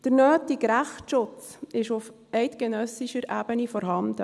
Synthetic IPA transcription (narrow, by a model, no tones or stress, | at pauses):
d̥əɾnøːtiɡɾæχʃʊt͡sɪʃʊf | ɛɪtɡ̥ɛnœsiʃəɾʔæːb̥ənifɔɾɦɑndə